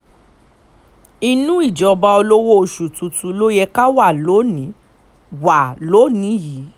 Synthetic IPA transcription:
i˧nũ˦i˦˨d͡ʒɔ˨˧ba˧o˧lo˦wo˦o˧ʃu˨tũ˨tũ˧lo˦jɛ˧ka˦wa˦˨lo˨˦nĩ˨˦ | wa˨lo˨˦nĩ˨˦ji˨˦

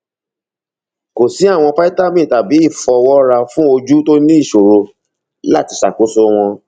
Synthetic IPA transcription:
ko˨si˨˦a˦˨w̃ɔ̃˧pa˦i˦ta˦˨mĩ˦˨ta˨bi˨˦i˦˨fɔ˧wɔ˦ɾa˧fũ˦o˧d͡ʒu˦to˦nĩ˦i˦˨ʃo˨ɾo˧ | la˦˨ti˧ʃa̰˨ko˨˦so˧w̃ɔ̃˧

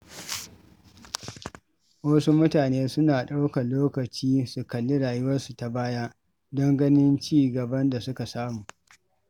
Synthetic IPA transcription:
wɐ˦su˦mʊ˦taː˨neː˦sʊ˦naː˨ɗa˦wka˨loː˦kɐ˨t͡ʃiː˦su˨kɐ˨lːɪ˦ɽaː˨jʊ˦wɐ˦nsu˨ta˨baː˦ja˦ | dɐ˦ŋɡɐ˦nɪ˦nt͡ʃiː˦˨ɡɐ˨bɐ˦nda˨sʊ˦ka˨saː˦mu˨

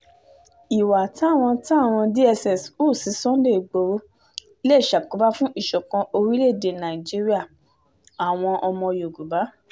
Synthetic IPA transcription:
i˨wa˨tã˨˦˨w̃ɔ̃˧tã˦a˦˨w̃ɔ̃˧di˦ɛ˧sɛ˨su˦˨si˨˦sɔ̃˦de˦˨ɡ͡bo˨˦wo˦ | le˦˨ʃa˨ku˨˦ba˦fũ˦ʔi˦˨ʃɔ˨kã˧o˧ɾi˦le˦˨de˨nã˨ĩ˨d͡ʒi˨˦ɾi˦a˦˨ | a˨w̃ɔ̃˧ʔɔ˧mɔ̃˧jo˨ɡu˨ba˨˦

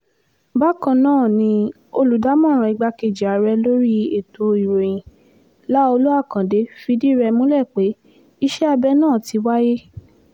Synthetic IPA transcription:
ba˦kã˧nãː˦˨nĩ˧ | o˧lu˨da˨˦mɔ̃˦˨ɾ̃ã˨i˨˧ɡ͡ba˧ke˨d͡ʒi˨a˨ɾɛ˧lo˦ɾi˦e˨to˧˨i˨ɾe˨ĩ˨ | la˦o˧lo˦a˦˨kã˨de˨˦fi˧di˦˨ɾɛ˧mũ˦lɛ˦˨k͡pe˨˦ | i˦ʃɛ˦a˧bɛ˦nãː˦˨ti˧˦wa˦je˦

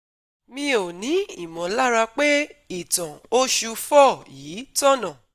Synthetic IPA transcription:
mĩ˧o˨nĩ˨˦i˦˨mɔ̃˨la˦ɾa˧k͡pe˦i˦˨tã˨o˦ʃu˧fɔ˦˨jiː˨˦tɔ˦˨nã˨

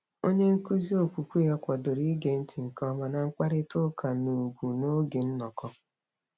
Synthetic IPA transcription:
o˦ɲe˦ŋ̩˦ku˦zi˦o˨kʷu˨kʷu˦a˦kʷɔ˨do˨ɾi˦ɡe˨˦n̩˦ti˨ŋ̩˨kɔ˦ma˨na˨ŋ͡m̩˦k͡pa˦ɾɪ˦tʊ˦ka˨nu˨ɡʷu˨no˦ɡe˨n̩˦nɔ˨kɔ˦

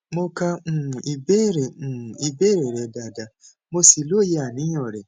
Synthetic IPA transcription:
mo˦ka˦ŋ̩˨i˨be˦ɾe˨i˨be˦ɾe˨ɾe˨da˨da˨ | mo˦si˨lo˦˨je˦a˨nĩ˦ɲɔ˨ɾe˨

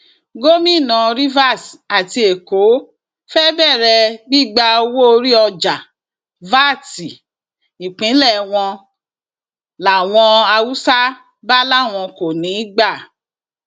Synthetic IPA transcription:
ɡo˦mĩ˦˨nã˨˧ɾi˦va˦˨sa˨ti˧e˨ko˨˦ | fɛ˦bɛ˦˨ɾɛ˧ɡ͡bi˦˨ɡ͡ba˧o˧wo˦o˧ɾi˦ɔ˧d͡ʒa˨ | va˦˨ti˨ | i˨k͡pĩ˨˦lɛ˦˨w̃ɔ̃˧ | la˨w̃ɔ̃˧a˧wu˦sa˦ | ba˦la˦˨w̃ɔ̃˧ko˨nĩ˨˦ɡ͡ba˦˨

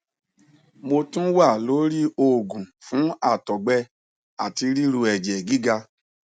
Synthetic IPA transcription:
mo˧tũ˦wa˦˨lo˨˦ɾi˦o˦˨ɡũ˨fũ˨˦a˦˨tɔ˨ɡ͡bɛ˧ | a˨ti˧ɾi˦ɾu˧ɛ˨d͡ʒɛ˨ɡi˨˦ɡa˧

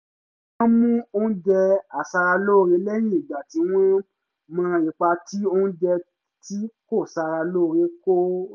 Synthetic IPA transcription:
ã˦mũ˦o˦ũ˦d͡ʒɛ˧a˨sa˧ɾa˧lo˦˨ɾe˨˧˦lɛ˦j̃ĩ˦i˨ɡ͡ba˨ti˨˦w̃ɛ̃˦ | mã˧i˨k͡pa˧ti˦o˦hũ˦d͡ʒɛ˧ | ti˦ko˦˨sa˧ɾa˧lo˦˨ɾe˨˦ko˦

